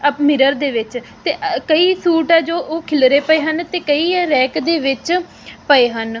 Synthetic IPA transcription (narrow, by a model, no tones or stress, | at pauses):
əmɪɾəɾd̪eːʋɪt͡ʃt̪eːkəiːsuːʈaːd͡ʒoːʔoːkʰɪlɾeːpəeːɦənt̪eːkəiːɾɛːkd̪eːʋɪt͡ʃ | pəeːɦən